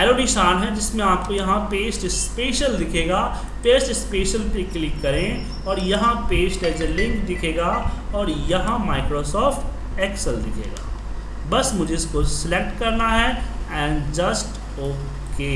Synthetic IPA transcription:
ɛːloːɖiʃaːnɦɛd͡ʒɪsmẽaːp̚kojɐɦãpeːsʈɪspeːʃəld̪ɪkʰeːɡaː | feːsʈɪspeːʃəlpeklɪkːɐɾẽ | ɔːɾjɐɦãpeːsʈɛːd͡ʒelɪ̃ŋkd̪ɪkʰeːɡaːɔːɾjɐɦãmaːɪkɾoːsɔːfʈ | ɛːksəld̪ɪkʰḛːɡa̰ː | bɐsmʊd͡ʒʱeɪskosɪlek̚ʈkɐɾnaɦɛɛ̃ːɳd͡ʒɐsʈ | oː | keː

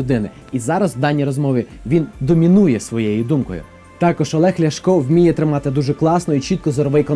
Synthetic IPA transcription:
ʊd̪ɪnɪ | izɑɾɐzwd̪ɑnʲːiɾɔzmɔʋʲiʋʲind̪ɔmʲinujɛsʋɔjejid̪umkɔ̰jʊ̰ | t̪ɑkɔʃɔlˠɛxlʲɐʃkɔwmʲijɛt̪ɾɪmɑt̪ɪd̪uʒɛklˠɑsnɔit͡ʃit̪̚kɔzɔɾɔʋɪjkɔ

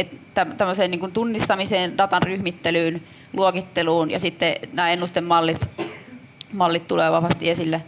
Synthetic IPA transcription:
et̪t̪æmt̪æmːøseːniːŋkunt̪unːist̪ɑmiseːndɑt̪ɑnryhmit̪ːelyːn | luokit̪ːeluːnjɑ̰sit̪ːenæːenːust̪emmɑlːit̪ | mɑlːit̪t̪uleːʋɑʋɑst̪iesilːæ

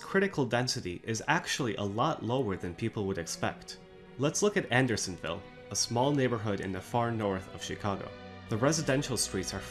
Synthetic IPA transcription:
kʰɹ̥ɪɾɨkʰl̩ˠdɛ̃nsɨɾiʔɪzæk̚t͡ʃul̩ˠiʔə̰lɔʔˡloʊə˞ðɨ̃npʰipl̩ˠwəɾɨkspɛ̰k̚t | lətslʊkɨɾæ̃ndə˞sə̃n̩vɪ̰lˠ | əsmɔlˠneɪbə˞ɦʊɾɨ̰̃nðɨfɑɹnɔɹθʌv̥ʃɨkʰɑɡo̰ʊ | ðəɹɛzɨdɛ̃nʃl̩ˠstɹ̥itsə˞

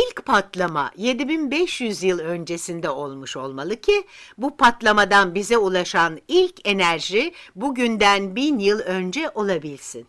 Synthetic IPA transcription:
ilʲcpʰat̪lˠama̰je̞d̪ibinbɛʃjyzjɯlˠø̞nd͡ʒe̞sind̪ɛo̞lˠmuʃo̞lˠmalˠɯkcʰibupʰat̪lˠamad̪anbizɛulˠaʃanilʲcʰe̞næɾʒibuɟynd̪ænbinjɯlˠø̞nd͡ʒɛʔo̞lˠabilʲsin

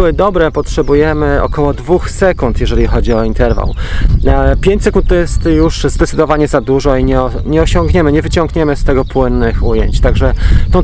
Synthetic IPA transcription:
wɘd̪ɔbɾɛpɔtʂɛbujɛmɘɔ̰kɔwɔd̪vuxsɛkunt̪jɛʐɛlʲixɔd͡ʑiɔint̪ɛɾva̰w | pʲjeɲt͡ɕʲsɛkunt̪̚t̪ɔjɛst̪juʂzd̪ɛt̪sɘd̪ɔvaɲɛzad̪uʐɔiɲɛɔ | ɲɛɔɕɔŋɡɲɛmɘɲɛvɘt͡ɕɔ̃ŋɡɲɛmɘst̪ɛɡɔpwɘnːɘxujeɲt͡ɕt̪aɡʐɛt̪ɔ̃w̃

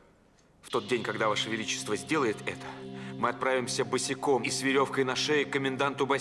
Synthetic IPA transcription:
ft̪o̞t̪̚dʲenʲkɐɡd̪avaʂəvʲɪlʲit͡ɕɪ̥st̪vəzʲdʲe̞lˠəjɪt̪ɛt̪ə̥mɨɐt̪̚pɾavʲɪmsʲəbɨsʲɪko̞misvʲɪɾʲo̞fkəjnɐʂɛɪkəmʲɪnd̪ant̪ʊbɐ

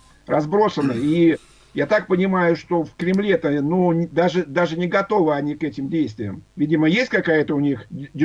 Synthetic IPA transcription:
rɐzbɾo̞sənːɨi | jat̪ak̚pənʲɪmajʊʂt̪o̞fkɾʲɪmlʲet̪ənod̪aʐɨd̪aʐɨnʲɪɡɐt̪o̞vɨɐnʲikɛtʲɪmdʲejst̪vʲɪjə̰mvʲidʲɪməjesʲtʲkɐkajət̪əʊnʲixʲdʲɪ

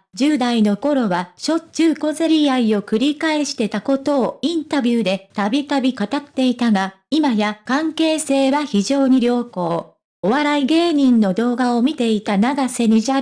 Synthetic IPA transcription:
d͡ʑɨːd̪aino̞ko̞ɾo̞βaɕo̞t͡ɕɨːko̞zeɾʲiaio̞kɯ̟ɾʲikae̞ɕi̥t̪e̞t̪ako̞t̪o̞ːĩnt̪abʲɨːd̪e̞t̪abʲik̪abʲikat̪at̪ːe̞it̪aɡa | imajakãŋke̞ːse̞ːβaçiʑo̞ːɲ̟iɾʲo̞ːko̞ː | oβaɾaiɡe̞ːɲ̟ĩnːo̞d̪o̞ːɡao̞mʲit̪e̞it̪anaɡase̞ɲ̟iʑa

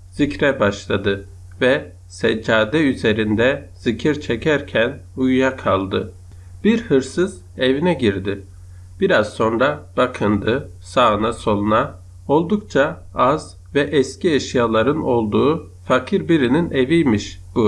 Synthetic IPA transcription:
z̥icɾɛbaʃlˠad̪ɯ | vɛ | sɛd͡ʒaːd̪ɛyze̞ɾind̪ɛz̥icʰiɾt͡ʃʰɛcʰæɾcʰænujujakʰalˠd̪ɯ | b̥iɾhɯɾsɯz̥ | evinɛɟiɾd̪ɪ | b̥iɾazso̞nɾab̥akʰɯnd̪ɯ | saːɯnaso̞lˠuna | o̞lˠd̪uk̚t͡ʃʰa | az | vɛʔɛscieʃijalˠaɾɯno̞lˠd̪uː | fakʰiɾbiɾinine̞vijmiʃb̥u

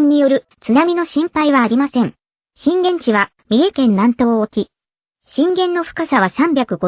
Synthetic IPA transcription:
ɲ̟ːijo̞ɾɯ̟ | t͡sɨnamʲino̞ɕĩmpaiβaːɾʲimasẽ̞ŋ | ɕĩŋɡẽ̞ɲ̟t͡ɕiβa | mʲie̞kẽ̞nːãnt̪o̞ːkʲi | ɕĩŋɡẽ̞nːo̞ɸɯ̟̥kasaβ̞asãmbʲjakɯ̟ɡo

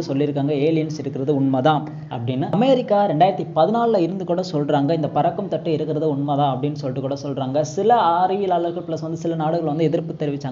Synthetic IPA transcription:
ɯsɔlːɪɾɯkːaːŋɡɐeːlɪjɐnsɪɾɯkːɪɾɐðɯʊɳmɐːðãː | ɐ̰pːɐɽɪnːɯɐmeːɾɪkːaːɾɛɳɖaːɪɾɐt̪ːipɐðɯnaːllaɪɾɯnd̪ɯkuːɽɐsɔlraːŋɡɐɪnd̪ɐpɐɾɐkːɯmt̪ɐʈːɯɪɾɯkːɪɾɐðɯʊɳmɐːðãːɐpːɐɽɪnːɯsɔlːɪʈːɯkːuːɽɐsɔlraːŋɡɐsɪlɐaːɾɐjɪlaːlɐɾɣɐɭpɪlɐsʋɐnd̪ɯsɪlɐnaːɽɯɣɐɭʋɐnd̪ɯɛðɪɾpːɯt̪ːɛɾɪʋɪt͡ʃːaːŋ

